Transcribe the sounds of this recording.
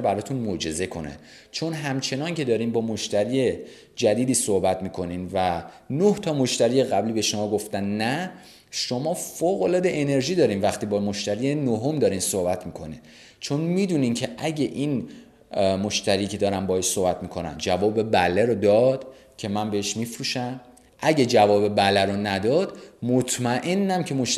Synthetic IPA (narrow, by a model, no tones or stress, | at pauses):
bæɾɒːt̪ʰunmod͡ʒe̞ze̞kʰo̞̰nḛ | t͡ʃʰo̞nɦæmt͡ʃʰe̞nɒːncʰe̞d̪ɒːɾiːmbɒːmo̞ʃt̪æɾiːje | d͡ʒæd̪iːd̪iːsohbæt̪ʰmiːkʰo̞niːnvæ | noht̪ʰɒːmoʃt̪æɾiːjeɣæbliːbe̞ʃo̞mɒːɡoft̪ænnæ | ʃomɒːfoːɣolɒːd̪e̞ʔene̞ɾʒiːd̪ɒːɾiːmvæxt̪iːbɒːmoʃt̪æɾiːjenoɦomd̪ɒːɾiːmsohbæt̪ʰmiːkʰo̞ni | t͡ʃʰo̞nmiːd̪uːniːmcʰeʔæɟe̞ʔin | moʃt̪æɾiːcʰe̞d̪ɒːɾæmbɒːheʃsohbæt̪ʰmiːkʰo̞næ̰nd͡ʒævɒːbe̞bæleɾod̪ɒːd̪̥ | cʰe̞mænbeheʃmifɾuːʃæm | ʔæɟed͡ʒævɒːbe̞bælæɾonæd̪ɒːd̪mot̪ʰmæʔe̞nːæmcʰe̞moʃ